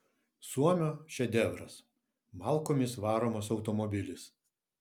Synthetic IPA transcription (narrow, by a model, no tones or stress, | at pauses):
suɔmʲoːʃʲɛd̪ʲɛʋɾɐs | mɑˑlˠkoːmʲɪsʋɑːɾoːmosɒʊt̪omɔbʲɪlʲɪs